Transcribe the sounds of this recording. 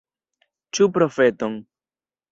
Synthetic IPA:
t͡ʃupɾo̞fe̞toŋ

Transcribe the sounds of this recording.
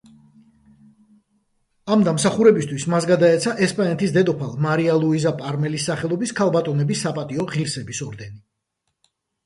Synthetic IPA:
amd̪amsaχuɾɛbist̪ʰwismasɡad̪aɛt̪sʰaʔɛspʼanɛt̪ʰisd̪ɛd̪ɔpʰalˠmaɾialˠuizapʼaɾmɛlisːaχɛlˠɔbiskʰalˠbat̪ʼɔnɛbisːapʼat̪ʼiɔʁiɾsɛbisɔɾd̪ɛni

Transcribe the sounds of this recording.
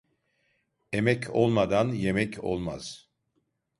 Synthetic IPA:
emɛcʰo̰lˠmad̪anjemɛcʰo̞̰lˠma̰z̥

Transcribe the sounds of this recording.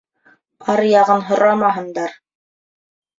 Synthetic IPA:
ɑɾjɑʁɤnɦŏɾʔɑmɑɦɤ̆nd̪ɑɾ

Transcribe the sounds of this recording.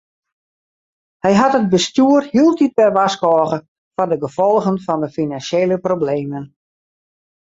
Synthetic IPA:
hɛjɦatəd̚bəstjyərhiəlˠtit̚bɛjʋaskɔːɣə | fɔndəɡəfɔlˠɣənfɔndəfinanseːləprobleːmən

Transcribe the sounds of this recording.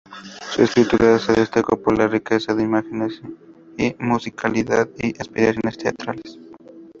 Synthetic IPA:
suespiɾit̪ulaaseðest̪akopoɾlarikesaðeimaxenes | imusikʰaliðaðiʔaspiɾasjo̞nest̪ea̰t̪ɾales

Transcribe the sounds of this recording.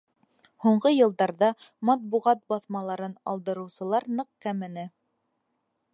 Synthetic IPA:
huɴɢɤjɤ̆lˠd̪ɑɾðɑmɑt̪̚buʁɑt̪̚bɑθmɑlˠɑɾɤnɑ̰lˠd̪ɤ̆ɾɤ̆wsɤ̆lˠɑɾnɤq̚kæmɘ̆nɘ

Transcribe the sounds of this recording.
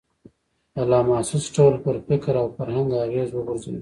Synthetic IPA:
alaːmaːsɪsʈoːlpəɾfɪkɾawfɐɾhãŋɡaːɣeːzwəɡʊɾzḛː

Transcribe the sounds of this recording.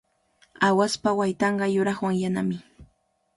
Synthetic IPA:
awaspawajt̪ɑɴɢɑjʊɾɑχwaŋjanamɪ

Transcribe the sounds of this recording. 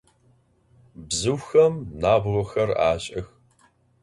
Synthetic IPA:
bzɨwxɐmnaːbʁʷɔxɐra̰ːɕʼɐx

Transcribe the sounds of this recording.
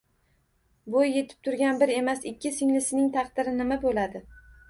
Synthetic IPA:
bojːe̞t̪ʰɪ̥p̚t̪ʰʊɾɡʲanbɪɾe̞masɪkʲʰːɪsɪŋlɪsɪnɪŋt̪ʰɑqd̪̥ɪɾɪnɪmabolad̪ɪ

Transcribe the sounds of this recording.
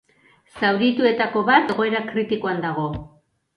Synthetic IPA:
sawɾit̪ue̞t̪ako̞βat̪e̞ɣo̞e̞ɾakɾit̪iko̞and̪aɣ̞o̞

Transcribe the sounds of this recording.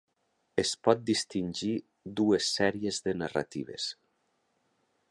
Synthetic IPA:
espɔt̪̚d̪ist̪inʲʒi | d̪uesːɛɾiezðena̰ra̰t̪ḭβḛs

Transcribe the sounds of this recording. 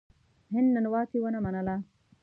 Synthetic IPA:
ɦenːɐnuʋaːt̪iʋɐnɐmɐnɐlaː

